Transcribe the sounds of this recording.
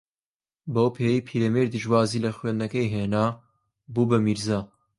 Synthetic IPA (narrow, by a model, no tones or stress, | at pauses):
bɐowpʰeːjejpʰiːɾɐmeɾd̪ɨʒwaːziːlɐxwenɐkɐjɦeːnaː | buːbɐmiɾzaː